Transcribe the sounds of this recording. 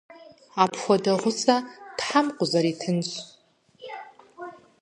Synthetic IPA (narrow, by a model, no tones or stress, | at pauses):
apʰxʷadaʁʷʊt͡sʰʼad̥ħamqʷʼʊzaɾitʰɨnt͡ʃʷʰ